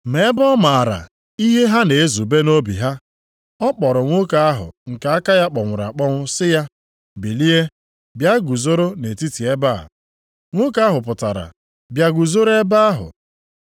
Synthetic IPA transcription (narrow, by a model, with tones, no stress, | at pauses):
me˨˦bɔ˦ma˨a˨ɾa̰˨ | i˦ɦe˦ɦa˦ne˨e˦zu˨be˦no˦bḭ˨ɦa˦ | ɔ˦k͡pɔ˨ɾʊ˨ŋʷʊ˦ka˨a˦ɦʊ̰˨ŋ̩˨ka˨a˦ka˦ja˦k͡pɔ˨ŋʷʊ˨ɾa̰˨k͡pɔ˦ŋʷʊ˦sɪ˦ja˦ | bi˨li˦e˦ | bja˦ɡu˨zo˦ɾo˦ne˨ti˦ti˨e˦ba̰˦˨ | ŋʷʊ˦ka˦a˦ɦʊ˨pʊ˨ta˨ɾa̰˨ | bja˨ɡu˨zo˦ɾe˦ba˦a˦ɦʊ̰˨